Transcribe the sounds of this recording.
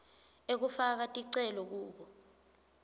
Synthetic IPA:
ek̬ufak̬atʼiǀɛlɔk̬uːɓɔ

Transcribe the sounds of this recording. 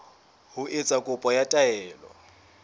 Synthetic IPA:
hʊʔet͡sʼakʼʊpʼɔjatʼaɛːlɔ̰

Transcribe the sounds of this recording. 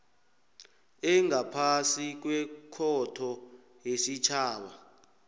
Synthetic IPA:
ɛŋapʰasik̬wɛkʰɔtʰɔ | jesit͡ʃʰaːɓa

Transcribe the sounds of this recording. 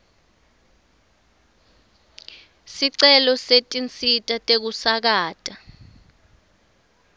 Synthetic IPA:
siǀɛlɔsetʼint͡sʼitʼatʼek̬usak̬aːtʼa

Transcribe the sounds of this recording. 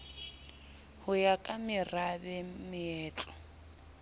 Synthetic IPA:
hʊjakʼamɪrabɛmɪɛːt͡ɬʼɔ

